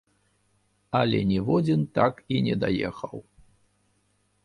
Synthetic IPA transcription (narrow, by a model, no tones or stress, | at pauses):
ɐlʲɛnʲɛvɔd͡zʲint̪akinʲɛd̪ajɛxɐw